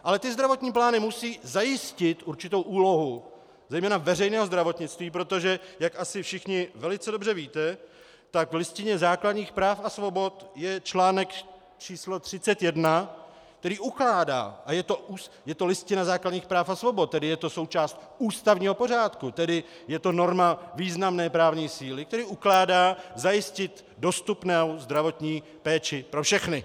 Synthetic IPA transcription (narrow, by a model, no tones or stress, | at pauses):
ʔalɛt̪ɪzd̪ɾavo̞t̪ɲiːp̬laːnɪmusiːzajɪscɪt̪uɾt͡ʃɪt̪owʔuːlo̞ɦu | zɛjmɛːnavɛrɛjnɛːɦo̞zd̪ɾavo̞t̪ɲɪt͡st̪viːpɾot̪o̞ʒɛjakʔasɪfʃɪxɲɪvɛlɪt͡sɛdo̞brɛviːt̪ɛ | t̪akvlɪscɪɲɛzaːkladɲiːxpɾaːfasvo̞bo̞t̪jɛt͡ʃlaːnɛk̪ | t͡ʃiːslot̪r̝̥ɪt͡sɛt̪jɛdna | k̚t̪ɛɾiːʔuklaːda̰ːʔajɛt̪o̞uːs | jɛt̪o̞lɪscɪnazaːkladɲiːxpɾaːfasvo̞bot̪̚t̪ːɛdɪjɛt̪o̞so̞wt͡ʃaːst̪ | uːst̪avɲiːɦo̞po̞r̝aːt̪kut̪ɛdɪ | jɛt̪o̞no̞ɾmaviːznamnɛːpɾaːvɲiːsiːlɪk̚t̪ɛɾiːʔuklaːdaːzajɪscɪt̪ | do̞st̪upnɛwzd̪ɾavo̞t̪ɲiː | pɛːt͡ʃɪpɾofʃɛxnɪ